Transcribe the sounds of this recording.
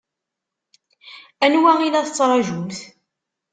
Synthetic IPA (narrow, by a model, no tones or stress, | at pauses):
ænwæʁilæθət͡sːɾˤɑʒumθ